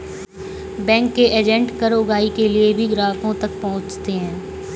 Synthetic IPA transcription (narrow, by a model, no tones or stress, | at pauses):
bɛ̃ːŋkːeʔeːd͡ʒɛ̃ɳʈkɐɾoʊɡaːikeliebʱiɡɾaːkõt̪ɐk̚pɐɦʊ̃t͡ʃt̪eɦɛ̃ː